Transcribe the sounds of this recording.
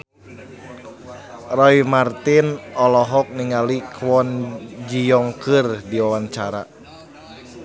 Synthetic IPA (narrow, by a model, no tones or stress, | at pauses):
rɔimart̪inɔlɔɦɔk̚niŋalikʰwɔnd͡ʒijɔŋkɨrdiwawaɲt͡ʃaɾa̰